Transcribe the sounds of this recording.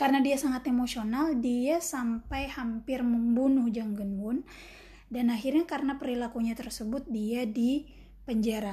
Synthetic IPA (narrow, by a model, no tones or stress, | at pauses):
karənadiasaŋat̪emosionaldiasampajhampɪrməmbunʊhd͡ʒaŋɡunbʊn | danaɦirɲakarənapəɾilakuɲat̪ərsəbʊt̪̚diadi | pəɲd͡ʒaɾa